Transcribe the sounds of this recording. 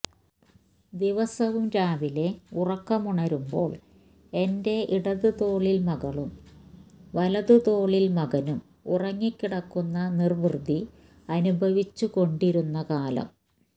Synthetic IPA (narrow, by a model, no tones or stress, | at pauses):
d̪iʋɐsɐʋumɾaːʋile̞urɐkːɐmuɳɐɾumbo̞ːɭ | e̞nde̞ʔiɽɐðɨt̪o̞ːɭilmɐɣɐɭum | ʋɐlɐðɨt̪o̞ːɭilmɐɣɐnum | urɐŋːikːiɽɐkːunːɐnirbrɨd̪ʱi | ɐnubʱɐʋit͡ɕːuko̞ɳɖiɾunːɐkaːlɐ̰m